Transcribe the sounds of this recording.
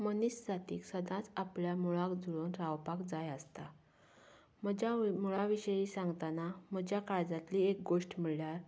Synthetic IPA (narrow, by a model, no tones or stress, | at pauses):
mənisd͡zat̪iːksəd̪ʱãt͡sapljamuɭakd͡zuɭonɾawpakd͡zajəst̪a | məd͡ʑamuɭaʋiɕəjisãŋɡt̪anam̤əd͡ʑjakaɾd͡zat̪liːek̚ɡoʂʈmiɭljaɾ